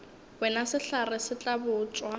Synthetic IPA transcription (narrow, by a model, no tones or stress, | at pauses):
bɛnasɪɬarɪsɪt͡ɬʼabʊːt͡sʼwa